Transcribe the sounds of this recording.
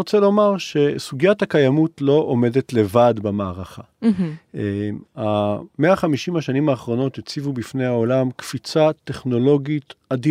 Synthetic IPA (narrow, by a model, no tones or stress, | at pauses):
ot͡selo̞maʁʃe̞suɡjathakajamutlo̞ʔome̞detle̞vadbamaːʁaχa̰ | ameaχamiʃimhaʃanimaːχʁo̞no̞tet͡sivubifne̞jaolamkfit͡sat̪eχno̞lo̞ɡitadi